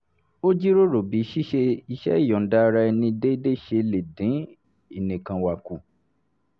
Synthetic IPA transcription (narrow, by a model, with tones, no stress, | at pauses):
o˦d͡ʒi˦ɾo˦ɾo˨bi˨˦ʃi˦ʃe˧i˧ʃɛ̰˦˨jɔ̃˨n̩˨da˧˦˧ɾa˧nĩ˧de˦i˦de˦ʃe˧le˨dĩ˨˦ | i˨nĩ˨kã˧wa˨ku˨